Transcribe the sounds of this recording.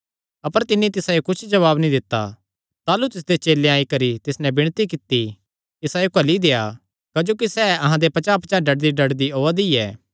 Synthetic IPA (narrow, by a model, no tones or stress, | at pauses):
ɐpəɾt̪ɪnːit̪ɪsajekʊt͡ʃʰd͡ʒɐβaːbnĩd̪ɪt̪ːa̰ | t̪aːlut̪ɪs̬d̪et͡ʃeːleaːikɐɾit̪ɪsnɛbɪɽ̃t̪ik̬ɪt̪ːi | ɪsajokɐlid̪eːja̰ | kaːd͡ʒoːk̬isɛːɐɦãd̪epɐt͡ʃapt͡ʃaɖɐɽd̪iɖɐɽd̪iɦoːad̪iɛː